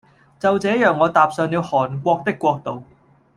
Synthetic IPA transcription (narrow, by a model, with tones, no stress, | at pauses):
t͡sɐ˨wt͡sɛː˨˥jœː˨ŋːɔː˨˧t̪aː˨p̚sœː˨ŋni˨˧whɔː˨˩nkʷɔː˧k̚t̪ɪ˥kːʷɔː˧k̚t̪o˨w